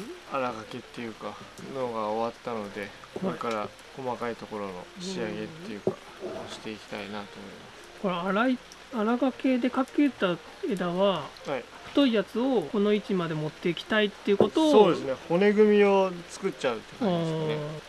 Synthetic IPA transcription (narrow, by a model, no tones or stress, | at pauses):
aɾaɡake̞t̪ːe̞jɯ̟ːkanoːɡaoβat̪ːano̞d̪e̞ | kooɾekaɾa | ko̞makait̪o̞ko̞ɾo̞no̞̰ɕiaɡe̞t̪ːe̞jɯ̟kḁ | oɕi̥t̪e̞ikʲi̥t̪ainat̪o̞ːmo̰imasɨ̥ko̞ɾeaɾai | aɾaɡake̞d̪e̞kakːet̪ːa | e̞d̪aβahai | ɸɯ̟̥t̪o̞ijat͡sɨo̞ko̞no̞it͡ɕimad̪e̞mo̞t̪ːe̞ikʲi̥t̪ait̪ːe̞iɯ̟ko̞t̪oːsoːd̪esɨneho̞ne̞ɡɯ̟mʲio̞t͡sɨ̥kɯ̟tt͡ɕaɯ̟t̪ːekae